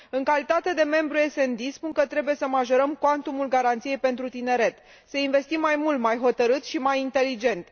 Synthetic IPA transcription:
ɨŋkalit̪at̪e̞d̪e̞me̞mbɾue̞se̞nd̪ispuŋkət̪ɾe̞buje̞səmaʒoɾəmkwant̪umulɡaɾant̪sije̞jpe̞nt̪ɾut̪ine̞ɾe̞t̪ | səinve̞st̪imːajmult̪majɦo̞t̪əɾɨt̪ʃimajint̪e̞lid͡ʒe̞nt̪

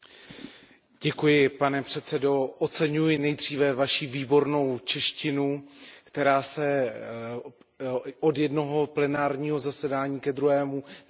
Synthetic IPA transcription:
ɟɛkujɪpanɛpr̝̥ɛt̪t͡sɛdo̞ʔott͡sɛɲujɪnɛjd̪r̝iːvɛvaʃiːviːbo̞ɾno̞wt͡ʃɛʃcɪnukt̪ɛɾaːsɛ | ʔodjɛdno̞ɦo̞plɛnaːɾɲiːɦo̞zasɛdaːɲiːkɛd̪ɾuɦɛːmu

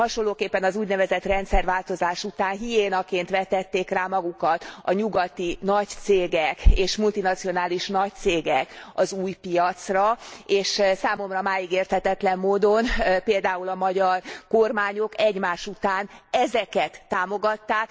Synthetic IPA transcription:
hɒʃolːoːkeːpːɛnɒzuːɟnɛvɛzɛt̪rɛnt̪sɛrʋaːlt̪o̞zaːʃut̪aːnɦijeːnɒkeːnt̪ʋɛt̪ːɛt̪ːeːkraːmɒɡukɒt̪ɒɲuɡɒt̪inɒct̪seːɡɛkeːʃmult̪inɒt̪sijo̞naːliʃnɒc̚t̪seːɡɛkɒzuːjpijɒt̪srɒeːʃsaːmo̞mrɒmaːjiɡeːrt̪hɛt̪ɛt̪lɛmːoːd̪o̞npeːld̪aːulɒmɒɟɒrkormaːɲo̞kɛɟmaːʃut̪aːnɛzɛkɛt̪ːaːmo̞ɡɒt̪ːaːk

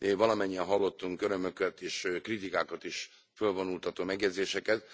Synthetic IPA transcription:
vɒlɒmɛɲːiɛnɦɒlːo̞t̪ːuŋkøɾø̞mø̞kɛt̪eːʃkrit̪ikaːkɒt̪iʃ | følvo̞nult̪ɒt̪oːmɛɡjɛd̪zeːʃɛkɛt̪

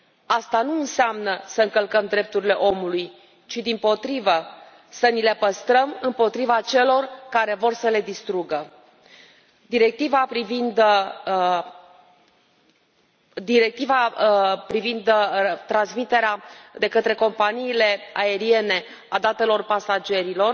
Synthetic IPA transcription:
ast̪anuɨnseamnəsəɨŋkəlkəmd̪ɾe̞p̚t̪uɾile̞ʔo̞muluj | t͡ʃid̪impo̞t̪ɾivə | sənile̞pəst̪ɾəmɨmpo̞t̪ɾivat͡ʃe̞lo̞rkaɾe̞vo̞rsəle̞d̪ist̪ɾuɡə | d̪iɾe̞k̚t̪ivapɾivind̪ | d̪iɾe̞k̚t̪ivapɾivind̪t̪ɾansmit̪e̞ɾead̪e̞kət̪ɾe̞ko̞mpaniːle̞ae̞ɾie̞ne̞ | ad̪at̪e̞lo̞rpasad͡ʒe̞ɾilo̞r

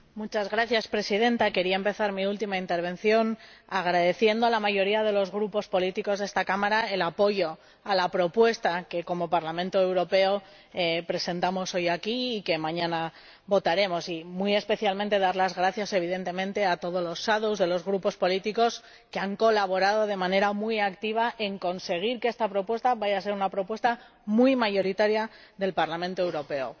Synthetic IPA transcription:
mut͡ʃazɣɾaθjaspɾe̞siðe̞nt̪ake̞ɾiaempe̞θaɾmiult̪imaint̪eɾβ̞ẽ̞n̟θjo̞naɣ̞ɾaðe̞θje̞nd̪oalamaʝo̞ɾiað̞e̞lo̞zɣɾupo̞spo̞lit̪iko̞zðest̪akamaɾae̞lapo̞ʝo̞ | alapɾo̞pwe̞st̪ake̞ko̞mo̞paɾlamẽ̞nt̪oe̞wɾo̞pe̞o̞ | pɾe̞se̞nt̪amo̞so̞jakiːke̞mãɲãna | βo̞t̪aɾe̞mo̞simuje̞spe̞θjalmẽnt̪e̞ð̞aɾlazɣɾaθjase̞β̞iðe̞nt̪e̞mẽ̞nt̪e̞at̪o̞ð̞olo̞sːaðuzðe̞lo̞zɣɾupo̞spo̞lit̪iko̞s | ke̞aŋko̞laβ̞o̞ɾaðo̞ð̞e̞mãne̞ɾamujakt̪iβ̞aʔe̞ŋko̞nse̞ɣ̞iɾkeest̪apɾo̞pwe̞st̪aβaʝas̬e̞ɾunapɾo̞pwe̞st̪a | mujmaʝo̞ɾit̪aɾjaðe̞lpaɾlamẽnt̪oe̞wɾo̞pe̞o̰

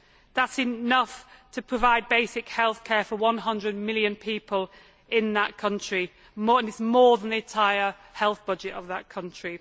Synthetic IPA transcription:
ðatsɪnʌftʰəpʰɹ̥əvaɪd̚beɪsɪkhɛlˠθkʰɛːfəwʌ̃nɦʌ̃ndɹəd̚mɪlˠjə̃npʰiˑpʰəlˠ | ɪ̃nðəʔkʰʌ̃nt͡ʃɹ̥i | mɔə̃nɪtsmɔːðə̃nðiɨ̃ntʰaɪə | hɛlˠθb̥ʌd͡ʒɪtəvðəʔ̚kʰʌ̃nt͡ʃɹ̥i

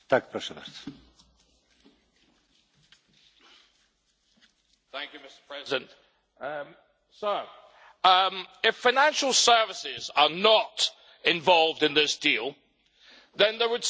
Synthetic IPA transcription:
t̪akpɾɛsəðə̰ɾt | θæ̃ŋkjʉmɪstə̥pʰɹ̥ɛzɪdə̃nt | sə˞ | mɪfaɪnæ̃nʃəlˠsɜ˞vɪsɪzənət | ɪ̃ɱvɒlˠvdɪ̃nðɪsd̥iːlˠ | ðə̃nðəwəd̥s

